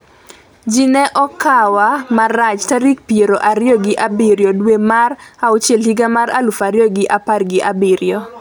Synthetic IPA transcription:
d͡ʒinɛʔɔkawamarat͡ʃtaɾikpjeɾoʔaɾɪjɔɡɪʔabɪɾjɔdwemaraot͡ʃjɛlhiɡamaɾalʊfaɾjɔɡɪʔaparɡɪʔabɪɾjɔ

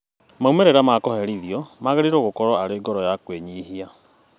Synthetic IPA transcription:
maumɛɾeɾamakɔhɛɾiðiɔmaɣeɾiɾoɣokɔɾɔaɾeːɡɔɾɔjakweɲiːɦia

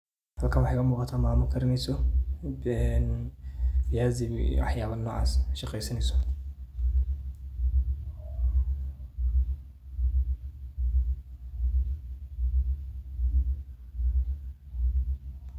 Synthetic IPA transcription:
hɐlkʰaːwɑħɑjkʰɐmuːqɑt̪ʰaːmaːmʊkʰɐɾɪnɛjsɔ | ɛn | fɪjaːziwɑ̰ħjaːβɐnɔ̰ːʕɑ̰ːsʃɑqɛjsɐnɛjsɔ̥

